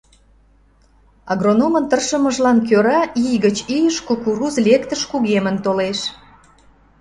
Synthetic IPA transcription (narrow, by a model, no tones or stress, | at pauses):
ɑɣronomənt̪ərʃəməʒlɑnk̬øɾɑʔijɣət͡ɕijəʃkokuɾuzlʲekt̪əʃkuɣemənt̪oleʃ